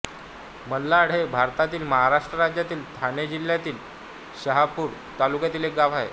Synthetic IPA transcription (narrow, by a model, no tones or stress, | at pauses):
məlːaɽ̤ebʱaɾt̪at̪iːlməɦaɾaʂʈɾəɾad͡ʑjat̪iːlt̪ʰaned͡ʑilːjat̪iːl | ɕəɦapuːɾ | t̪alukjat̪iːlek̚ɡaʋ̤aɦḛ